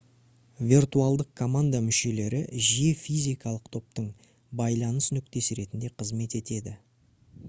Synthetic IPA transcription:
vʲirt̪uɑlˠd̪əq̚kʰo̞mand̪amʏʃe̞le̞ɾɪʒe̞fijzʲijkɑlˠəqt̪ʰo̞p̚t̪əɴ | bɑjlˠɑnəsnʏk̚t̪e̞sɪɾe̞t̪ɪnd̪e̞qʰəzme̞t̪e̞t̪e̞d̪ɪ

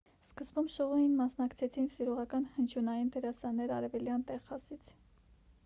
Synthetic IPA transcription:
skəzbumʃɔʁɔjinmɑsnɑkt͡sʰɛt͡sʰinsiɾɔʁɑkɑnhənt͡ʃʰjunɑjint̪ʰɛɾɑsɑnːɛɾɑ̰ɾɛvɛljɑnt̪ɛʁːɑsit͡sʰ

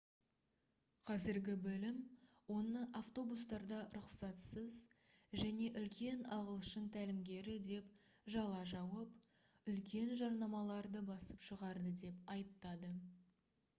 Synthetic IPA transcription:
qʰɑzɪɾɡʲɪbɪlɪm | wo̞nəʔaft̪o̞bust̪ɑɾd̪ɑɾʊqsɑt̪səzʒæne̞ʔʏlkʲe̞nɑʁəlˠʃənt̪ʰælɪmɡʲe̞ɾɪd̪e̞p | ʒɑlˠɑʒɑwəp | ʏlkʲe̞nʒɑɾnɑmɑlˠɑɾd̪əbɑsə̥pʃəʁɑɾd̪əd̪e̞pɑjəp̚t̪ɑd̪ə

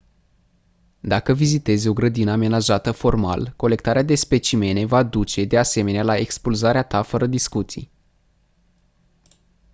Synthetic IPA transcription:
d̪akəvizit̪e̞zʲo̞ɡɾəd̪inəame̞naʒat̪əfo̞rma̰lko̞le̞k̚t̪aɾead̪e̞spe̞t͡ʃime̞ne̞vad̪ut͡ʃe̞d̪ease̞me̞nealae̞kspulzaɾeat̪afəɾəd̪iskut̪sḭj

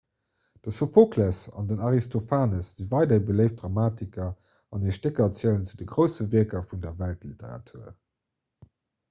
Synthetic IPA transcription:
d̥əfəfokʰlæsɑ̰ndənɑʁistʰofaːnəsz̥ivɑɪdɐibələɪftdʁɑmaːtikɐ | ɑniʃtekɐt͡sjəənt͡sudəɡʁəʊsəviɐkɐfundɐvæltliteʁɑ̰tʰuːɐ̰

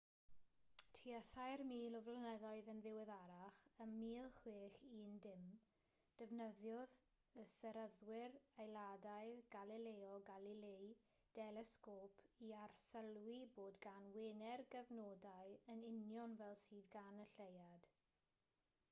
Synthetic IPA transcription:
tʰiəθajrmiːlˠɔvlənɛðɔɨðənðɪwɛðaɾaχəmmiːlˠχweːχiːndɪm | d̥əvnəðjɔð | əsɛɾəðwɪrajlˠadajðɡalˠileːɔɡalilej | d̥ɛlɛskɔːpʰiarsəlˠwiboːdɡanwɪnɛrɡəvnodaɨənɪnjɔnvɛlˠsiːðɡanəɬejad̥

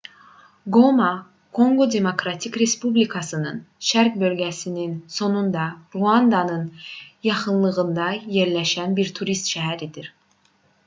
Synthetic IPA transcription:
ɡomɑ | kʰo̞ŋɡo̞d̪e̞mo̞kɾɑt̪ʰikɾe̞spublikʰɑsɯnɯ̰nʃæɾkbø̞lɟæsininso̞nund̪ɑɾuɑnd̪ɑnɯnjɑχɯnlˠɯɣɯnd̪ɑjeɾlæʃænbiɾt̪ʰuɾist̪ʃæɦæɾid̪iɾ

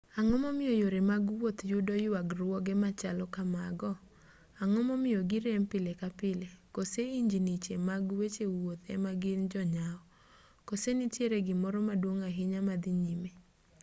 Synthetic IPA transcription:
aŋɔmɔmɪjojoɾemaɡwot̪jʊdɔjwaɡrwɔɡɛmat͡ʃalɔkamaɡɔ | aŋɔmɔmɪjɔɡɪɾempɪlekapɪlekoseiɲd͡ʒinit͡ʃemaɡwet͡ʃewot̪ɛ̰maɡɪnd͡ʒɔɲaɔ | kosenitjeɾeɡɪmɔɾɔmadwoŋaɦɪɲamad̪ɪɲime

